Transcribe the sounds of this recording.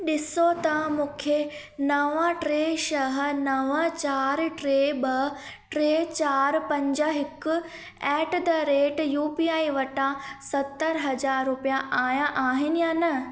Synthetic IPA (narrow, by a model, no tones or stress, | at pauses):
ɗɪsot̪ɐmũːkʰe | nɐʋãʈɾeːʃɐɦə̆nɐʋə̃t͡ɕaːɾʈɾeːbɐ | ʈɾeːt͡ɕaːɾpɐ̃ɲd͡ʑəɦɪkʊ | ɛːʈd̪ɐɾeːʈjuːpiaːiʋɐʈãsɐt̪ːəɾɦɐd͡ʑaːɾːʊpijãʔaːjãʔaːɦɪnɪjaːnɐ